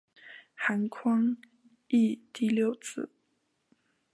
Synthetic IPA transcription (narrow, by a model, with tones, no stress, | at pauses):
xa˧˥nkʰwɑ˥ŋ | i˥˧t̪i˥˧ljo˥˩ʊt͡sɹ̩˨˩˦